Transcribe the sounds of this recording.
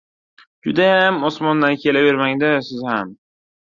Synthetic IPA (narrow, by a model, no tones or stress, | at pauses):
d͡ʒʊd̪ajamɒsmɒnd̪ankʲʰe̞lave̞ɾmaŋd̪asɪzham